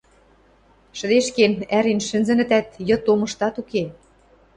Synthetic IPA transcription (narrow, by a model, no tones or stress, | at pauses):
ʃə̆d̪eʃkenæɾinʃɘ̆nzɘ̆nɘ̆t̪æt̪jɤ̆t̪omɤ̆ʃt̪ɑt̪uke